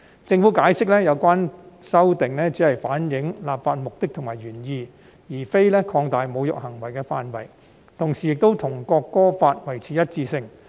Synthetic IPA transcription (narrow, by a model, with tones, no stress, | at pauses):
t͡sɪ˧ŋfuː˨˥kaː˨˥jsɪ˥k̚lɛː˥jɐ˨˧wkʷaː˥nsɐ˥wt̪ɪ˨ŋlɛː˥t͡siː˨˥hɐ˨jfaː˨˥njɪ˨˧˥ŋlaː˨p̚faː˧t̚mʊ˨k̚t̪ɪ˥k̚t̪ʰʊ˨˩ŋmaː˨˩jɥyː˨˩njiː˧ | jiː˨˩fe˥jlɛː˥kʰɔː˧ŋt̪aː˨jmo˨˧wjʊ̰˨k̚hɐ˨˩ŋwɐ˨˩jkɛː˧faː˧nwɐ˨˩j | t̪ʰʊ˨˩ŋsiː˨˩jɪ˨k̚t̪o˥wt̪ʰʊ˨˩ŋkɔː˧kːɔː˥faː˧t̚wɐ˨˩jt͡sʰiː˨jɐ˥t̚t͡siː˧sɪ˧ŋ